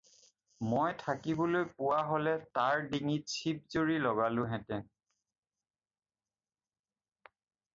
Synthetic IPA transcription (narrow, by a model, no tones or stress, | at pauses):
mojtʰakibɔlojpʊwaɦolɛtaɹdiŋit͡ʃʰip̚zoɹilɔɡalʊ̃ɦɛ̃tɛn